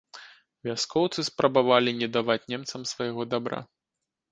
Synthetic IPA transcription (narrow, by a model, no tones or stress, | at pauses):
vʲaskʰɔwt̪sɨspɾɐbavalʲinʲɛd̪avat͡sʲnʲɛmt̪sɐmsvɐjɛɣɔd̪abɾa̰